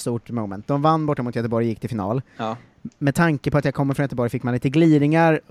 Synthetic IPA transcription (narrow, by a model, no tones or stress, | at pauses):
st̪uːʈmɔmɛ̰nt̪̚d̪ɔmvanːbɔʈːamʊːt̪ʰjœt̪əbɔɾjjɪkːt̪ʰɪlfɪnɑ̰ːl | mɛd̪̚t̪ʰaŋkəpʰɔat̪jaːkʰɔmːəfɾɔnjœt̪əbɔɾjfɪkːmanliːt̪əɡliːd̪ɪŋaɾ